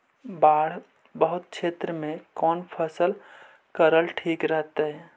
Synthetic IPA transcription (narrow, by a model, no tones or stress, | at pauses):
baːɽ̤ | bəɦʊt̪̚ʃʰeːt̪ɾəmẽkɔːnpʰəsəl | kəɾəlʈʰiːkɾəɦt̪eɦɛː